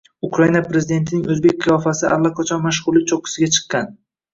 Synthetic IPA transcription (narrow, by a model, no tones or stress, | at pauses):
ʊkɾainapɾe̞zɪd̪e̞nt̪ʰɪnɪŋɵzbe̞k̚ʲqʰɨjɒfasɪʔa̰lˠːaqʰɑt͡ʃʰɒnmaʃ̬ʁʊɾlit͡ʃʰoqʰɨ̥sɪɡʲat͡ʃʰɨ̥qːɑn